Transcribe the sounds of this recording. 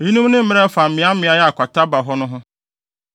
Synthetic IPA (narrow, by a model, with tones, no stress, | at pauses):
i˦nũ˦m˦nɪ̃˦m̩˦mɪ̃˦ɾɛ˦fa˨m̩˨mɪ̃˨˦a˦mɪ̃˨˦a˨˦jɛ˦a˨kʷa˨tʰa˦ba˨ɦɔ˦nʊ̃˦ɦʊ̃˦